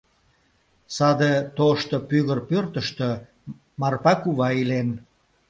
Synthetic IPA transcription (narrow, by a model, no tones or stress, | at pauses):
sɑd̪et̪oʃt̪əpyɣərpørt̪əʃt̪ø | mɑrpɑkuβɑilen